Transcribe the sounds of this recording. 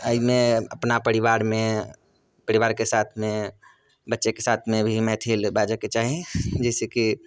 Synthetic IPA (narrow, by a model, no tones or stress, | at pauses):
aɪmẽɐ̰pnapəɾiʋaːɾmẽ | pɐɾiʋaːɾkesaːt̪ʰmẽ | bətːʃekesaːt̪ʰmẽbʱimɛːt̪ʰiːlbaːd͡ʒaket͡ʃaːɦẽd͡ʒɛːseki